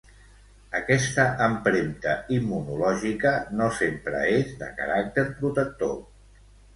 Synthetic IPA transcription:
əkɛst̪əʔəmpɾent̪əimːunulɔʒikənosempɾə̰ezd̪ə̰kə̰ɾak̚t̪eɾpɾut̪ək̚t̪o̰

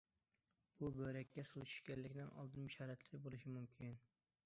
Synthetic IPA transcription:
b̥ubøɾɛkʲʰːɛsulˠt͡ʃʰy̥ʃkʲɛnlːɪkʲnɪnʔɒ̰lˠd̪ɨnmɪʃɑɾæt̪ʰlɪɾɪbolˠɪʃɪmʊmkʲʰin

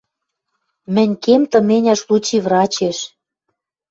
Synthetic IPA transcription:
mɘ̆nʲkemt̪ɤ̆menʲæʃlut͡ɕivrɑt͡ɕeʃ

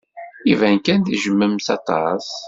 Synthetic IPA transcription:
ivænkænθiʒəmːəmsɑt̪ˤɑ̰s

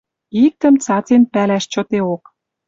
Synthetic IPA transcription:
ik̚t̪ə̆mt͡sɑt͡senpælæʃt͡ɕɤ̆t̪eok

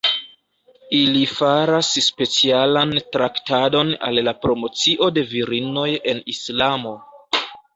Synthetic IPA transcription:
ilifaɾasspe̞t͡sialantɾaktado̞na̰lːapɾo̞mo̞t͡siʔo̞de̞viɾino̞je̞nislamo̞

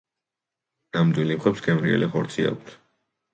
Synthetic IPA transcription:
namd̪wilimχɛpsɡɛmɾiɛ̰liχɔɾt̪sʰia̰k̚ʰt̪ʰ

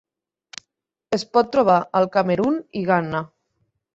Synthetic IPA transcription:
espɔt̪ːɾoβ̞aalˠkameɾuniɣana

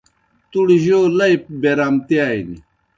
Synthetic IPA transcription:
t̪uɽʑoːlɐjp̚beɾamt̪iaːjni

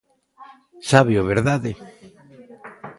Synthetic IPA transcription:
saβjoβeɾðaðe

